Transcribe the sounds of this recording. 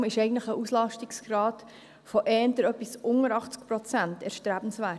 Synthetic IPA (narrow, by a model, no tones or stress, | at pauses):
mɪʃɛɪɡn̩tləχəʔuslɑʃtɪksɡ̥ɾɑːt | fɔʔɛːndəɾœpːisʊŋəɾɑχt͡sk̚pɾɔt͡sæntɛɾʃtɾæb̥n̩sʋæː